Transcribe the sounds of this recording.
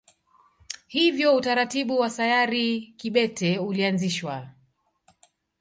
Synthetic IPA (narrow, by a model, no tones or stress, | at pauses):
hivjɔutaɾatiɓuwasajaɾikiɓɛtɛulianziʃwa